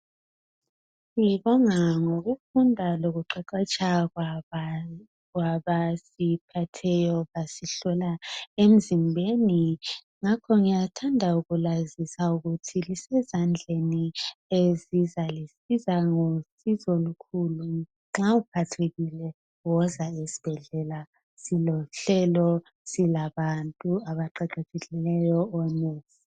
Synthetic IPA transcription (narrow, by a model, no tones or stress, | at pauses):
liβɔŋaŋoɣufundʱaloɣuǃɛǃɛt͡ʃʰʼa | ɣwaβasipʰatʰɛjɔβasiɬɔlaem̩zimbʱeni | ŋakʰɔŋijatʰandʱauɣulazisauɣutʰilisɛzand͡ɮʱeniezizalisizaŋosizɔlukʰulu | ŋ͡ǁaup̚ʰatʰeɣilɛ | wɔzaesi̥b̥ʱɛɮɛla | silɔɬɛlɔ | silaβantʼuaβaǃɛǃetʰekilɛjɔɔnɛːsi